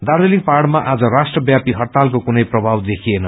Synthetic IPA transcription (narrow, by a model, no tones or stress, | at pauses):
d̪aɾeliŋparɽmaʔad͡zʌrasʈrʌbjapiɦʌrt̪alkokunʌjprʌbʱawd̪ekʰienʌ